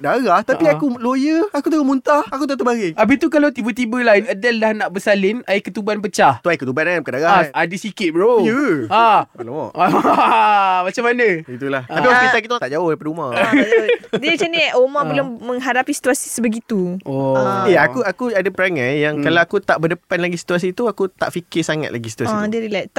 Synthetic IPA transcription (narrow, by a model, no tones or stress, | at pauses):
daɣaht̪apiakulojəakut̪əɣomunt̪ahakut̪at̪əbaɡeabit̪ukalawt̪ibət̪ibəlaɪnədaldahnaʔbəsalɪnaɪkət̪ubanpət͡ʃaht̪uaikət̪ubanaankadaɣaʔadəsikɪt̪̚ɾojəaloma̰ | mat͡ʃamanə̃it̪ulaht̪apiwãkiak̬it̪at̪aʔd͡ʒaʊhdpadəumã | diət͡ʃəneomãbəlʊŋmːə̃ŋɦaɾapisi̥t̪uasi̥səbəɡit̪uɔeakuakuadapəɾaŋãnjaŋkalawakut̪aʔbədəpanlaɡisi̥t̪uas̬it̪uakut̪a̰ʔfikɪsaŋa̰t̪la̰ɡisi̥t̪uasidiəɾilat̪a